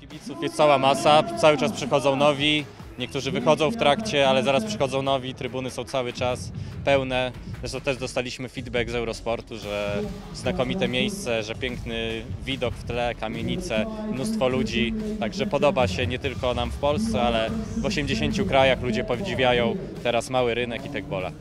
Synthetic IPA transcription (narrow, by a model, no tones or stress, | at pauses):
kʲibʲit̪sufjɛst̪sawamasat̪sawɘt͡ʂaspʂɘxɔd̪zɔ̃w̃nɔvʲi | ɲɛk̚t̪uʐɘvɘxɔd̪zɔ̃w̃ft̪ɾakt͡ɕɛalɛzaɾaspʂɛ̥xɔd̪zɔ̃w̃nɔvʲit̪ɾɘbunɘsɔ̃w̃t̪sawɘt͡ʂaspɛwnɛzɛʂt̪ɔ̃w̃t̪ɛʐd̪ɔst̪alʲiɕmɘfʲid̪bɛɡzɛwɾɔspɔɾt̪uʐɛ | znakɔmʲit̪ɛmʲjejst̪sɛʐɛpʲjɛŋknɘvʲid̪ɔkft̪lɛkamʲjeɲit̪sɛmnust̪fɔlud͡ʑit̪aɡʐɛpɔd̪ɔbaɕɛɲɛt̪ɘlkɔnamfpɔlst̪sɛalɛvɔɕɛmd͡ʑeɕeɲt͡ɕukɾajaxlud͡ʑɛpɔvd͡ʑivʲjajɔ̃w̃ | t̪ɛɾasmawɘɾɘnɛkit̪ɛɡ̚bɔla̰